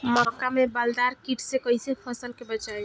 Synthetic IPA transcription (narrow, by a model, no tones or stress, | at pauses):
mɔkamẽbald̪aɾkiʈʰsekɔɦisepʰəsəlkebət͡ʃaj